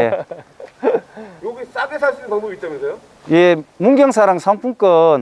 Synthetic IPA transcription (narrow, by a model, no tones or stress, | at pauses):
e | joɡis͈aɡesʰaɭs͈unɯnpaŋbumit̚t͡ɕ͈amensʰejo | jemuŋɡjʌŋsʰaɾaŋsʰʌŋpʰuŋk͈ʌn